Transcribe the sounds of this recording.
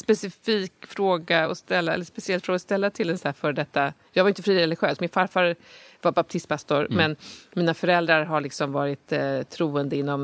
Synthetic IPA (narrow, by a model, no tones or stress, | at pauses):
spɛsɪfiːkfɾoːɡaɔst̪ɛlːaɛ̰lːəspɛsɪɛlt̪fɾoːɡast̪ɛlːat̪ʰɪlɛnsæːfœɾɖɛt̪ːajɑːɡvaɾʏnt̪əfɾiːɾɛlɪɧøːsmɪnfaɾfaɾvabap̚t̪ʰɪst̪̚pʰast̪ʊɾmɛnmiːnafœɾɛld̪ɾaɾɦaɭɪksɔmvɑːɾɪt̪t̪ʰːɾuːənd̪əɪnːɔm